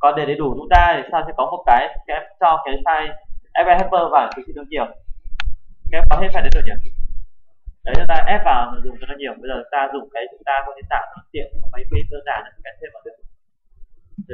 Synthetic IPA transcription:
kɔ˨˩nɗe˧˩ɗe˨˦ɗu˧˩t͡ɕʊ˨˦ŋ͡mt̪aː˧i˨˩saː˧wsɛ̰˧˥kɔ˨˦mo˨˩t̚kaː˨˦jkɛ˨˦˥mt͡ɕɔ˧ka˨˦jsaː˧jʔɛ˧˥pvɛ˧hɛ˦˥t̚pːəː˧vaː˨˩kɨ˨˦sḭ˧˨ɨ˧əŋt͡ɕi˧˩əw | ka˧˦˥kɔ˨˦t̪ʰe˧˦saː˧ɗɗɨ˨˩ɲə˨˩ə | ɗə˨˦jzə˧˥laː˧˨˩jʔɛ˦˥p̚vaː˨˩wzʊ˨˩ŋ͡mɨ˨˧˩ka˧˩ɲi˧˩əmɓə˧jzəː˨˩t͡ɕʊ˨˦ŋ͡mt̪aː˧zʊ˨˩ŋ͡mkaː˨˦jt͡ɕʊ˨˦ŋ͡mt̪aː˧kɔ˨˦ɗi˧nt̪aː˧˩wn˨˦t̪ḭ˧˨ən̚˨˩ma˨˦jki˧kəː˧nzaː˧˩na˨˧˦kɛ˦˥t̪ʰe˧mvaː˨˩ɗək̚

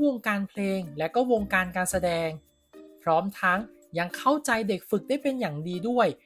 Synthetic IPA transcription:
wo˧ŋkaː˧npʰleː˧ŋlɛ˦˥wkɔː˥˩wo˧ŋkaː˧nkaː˧nsa˧dɛː˧ŋ | pʰɾɔː˦˥mt̪ʰa˦˥ŋ | ja˧ŋkʰa˥˩wt͡ɕa˧jde˨˩k̚fɯ˨˩k̚da˥˩jpe˧njaː˨˩ŋdiː˧du˥˩əj

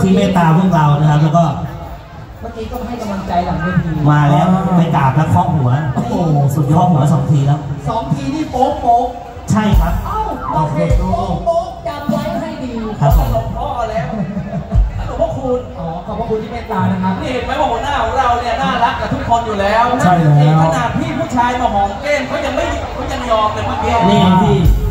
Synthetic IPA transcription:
t̪ʰiː˥˩˨meː˥˩t̪aː˧ɾu˥˩əŋɾaː˧wna˦˥kʰa˦˥p̚lɛː˧˩kɔː˥˩ | maː˥˩kiː˧kɔ˥˩a˧˩ɦa˥˩jka˧mla˧ŋt͡ɕa˧jla˨˩ŋmaː˥˩t̪ʰiː˧maː˧lɛː˦˥wpa˧jkaː˨˩p̚lɛ˦˥kʰɔː˦˥k̚nu˩˦ɐ˧su˨˩t̪̚kʰɔː˥˩k̚hu˩˦ɐ˦sɔː˩˦ŋt̪ʰiː˧lɛː˦˥wsɔː˩˦ŋt̪ʰiː˧t̪ʰiː˥˩poː˦˥p̚poː˦˥m̚ | t͡ɕʰa˥˩jkʰa˦˥p̚ʔwoː˧˩kʰeː˧˩˧ɔ˦˥po˦˥pja˧ma˧jkɔ˥˩ha˥˩jdiː˧kʰa˧˥a˧lo˧ŋpʰɾɔː˦˥a˧lɛː˦˥˩w̪ʰ | a˧˥˩lu˨˩pʰɔ˧˥˩kʰu˧nʔɔː˨˩kʰɔː˨˩p̚ʰːku˧nt̪ʰi˥˩pe˧˥˩t̪aː˧na˦˥˩kʰa˦˥piː˥˩he˨˩maː˦˥jwaː˧˩hnaː˥˩huː˧˥˦la˧˩wni˥˩ɐnaː˥˩la˦˥k̚t̪ɛ˨˩t̪ʰu˦˥kʰːo˧njuː˨˩lɛː˦˥wʰa˥˩jo˧˩kʰa˧naː˨˩t̪ʰːiː˥˩pʰuː˥˩t͡ɕʰaː˧jmɔː˧˩mɔː˨˩na˧le˥˩nkʰɔː˦˥ja˧ŋma˥˩jkʰɔː˦˥ja˧ŋjɔː˧mk̪a˧maː˥˩ki˧liː˥˩i˧t̪ʰiː˧˥˩

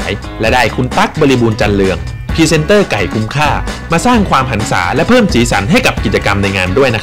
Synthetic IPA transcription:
j | lɛ˦˥daː˥˩jkʰu˧nt̪a˦˥k̚bɔː˧li˧buː˧nt͡ɕa˧nlɯ˧əŋ | pʰiː˧se˧nt̪ɤː˥˩ka˨˩jkʰu˧mkʰaː˥˩maː˧saː˥˩ŋkʰwaː˧mɦa˩˦nsa̰ː˩˦lɛ˦˥pʰɤː˥˩msiː˩˦sa˩˦nɦa˥˩jka˨˩p̚ki˨˩t͡ɕa˧ka˧mna˧jŋaː˧ndu˥˩əjna˦˥

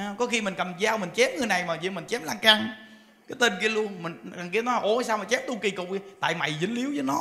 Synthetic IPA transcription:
a˨˧kɔ˨˦xi˧mi˨˩ŋ̟kə˨˩mzaː˧wmï˨˩ŋ̟t͡ɕɛ˨˦˥mŋɨ˨˩jna˨˩jmaː˨˩zḭ˧˦mï˨˩ŋ̟t͡ɕɛ˨˦mlaː˧ŋka˧ŋ | kaː˨˦jt̪e˧nki˧əlu˧ənmï˨˩ŋ̟a˨˩ŋk̬i˧ənɔ˨˦laː˨ʔo˨˧˩jsaː˧wmaː˨˩t͡ɕɛ˨˦˥m̚t̪u˧ki˨˩kʊ̰˨˩k͡p̚t̪a̰ː˧˨jma̰˧˨jzɨ̰˨˦ŋli˨˦əwzəː˨˦jnɔ˨˦

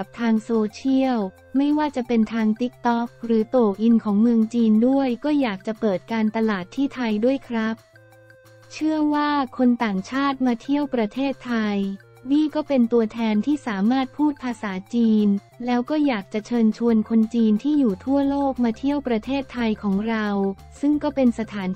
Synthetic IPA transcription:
p̚t̪ʰaː˧ŋsoː˧t͡ɕʰi˥˩əw | ma˥˩jwaː˥˩t͡ɕa˨˩pe˧nt̪ʰaː˧ŋt̪i˦˥k̚t̪ɔ˦˥k̚ɾɯː˩˦t̪oː˨˩ʔi˧nkʰɔː˩˦ŋmɯ˧əŋt͡ɕiː˧ndu˥˩əjkɔː˥˩jaː˨˩k̚t͡ɕa˨˩pɤː˨˩t̪̚kaː˧nt̪a˧laː˨˩t̪ʰːiː˥˩t̪ʰa˧jdu˥˩əjkʰɾa˦˥p̚ | t͡ɕʰɯ˥˩əwaː˥˩kʰo˧nt̪aː˨˩ŋt͡ɕʰaː˥˩t̪̚maː˧t̪ʰi˥˩əwpɾa˧t̪ʰeː˥˩t̪ʰːa˧j | wiː˥˩kɔː˥˩pe˧nt̪u˧ɐt̪ʰɛː˧nt̪ʰiː˥˩saː˩˦maː˥˩t̪̚pʰuː˥˩t̪̚pʰaː˧saː˩˦t͡ɕiː˧n | lɛː˦˥wkɔː˥˩jaː˨˩k̚t͡ɕa˨˩t͡ɕʰɤː˧nt͡ɕʰu˧ənkʰo˧nt͡ɕiː˧nt̪ʰiː˥˩juː˨˩t̪ʰu˥˩ɐloː˥˩k̚maː˧t̪ʰi˥˩əwpɾa˧t̪ʰeː˥˩t̪ʰːa˧jkʰɔː˩˦ŋɾa˧w | sɯ˥˩ŋkɔː˥˩pe˧nsa˧t̪ʰaː˩˦n

